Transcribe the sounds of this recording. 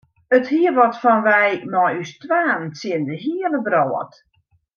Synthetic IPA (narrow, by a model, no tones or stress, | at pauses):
əthiəʋɔtfɔnʋɛjmɔjystʋaːnsiəndəɦiələbroːə̰t